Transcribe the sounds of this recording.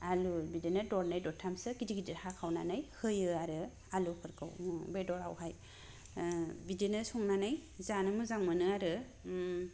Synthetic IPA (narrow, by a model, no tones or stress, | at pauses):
alubidenɯdɔɾnajdɔtʰamsɯɡidiɡidiɾhakʰawnanajhɯjɯaɾɯ | alukʰɯɾkʰɯ̰wbedɔɾa̰wɦaj | bidenɯsɔŋnanajzanɯmɯzaŋmɯnɯaɾɯ